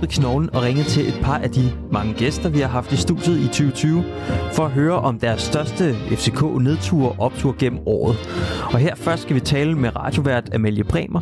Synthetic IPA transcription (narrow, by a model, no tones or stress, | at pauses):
ɡsnɒʊln̩ɒ̽ʁeŋəð̩ˠt͡sʰe̝lʔe̝d̥̚pʰɑ̈ʔæd̥i | mɑ̈ŋəɡ̥esd̥ɐʋihɑ̈ɦɑ̈fd̥isd̥ṵd̥jð̩ˠit͡sʰyːʊət͡sʰyːʊ | fɒ̽æɦøːɐʔɒ̽md̥æɐsːd̥ɶɐsd̥əefse̝kʰo̰̽ːne̝ð̞ˠt͡sʰṵːɐʔɒ̽b̥̚t͡sʰuɐ̰ɡ̥en̰m̩ɒ̰ːð̞̩ˠɒ̽ɦeɐ̰fɶɐsd̥sɡ̥æʋit͡sʰɛːləmeʁɑ̈d̥jo̝ʋæɐ̰d̥æmeljəb̥ʰʁɛ̰ːmɐ